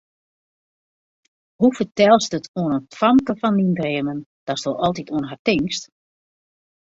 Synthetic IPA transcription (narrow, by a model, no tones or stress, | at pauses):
hufərtɛlˠsdətʰoənəntfamkəfɔndindreəmənd̥ɔstolˠʔɔlˠt̬itoənɦartɪŋst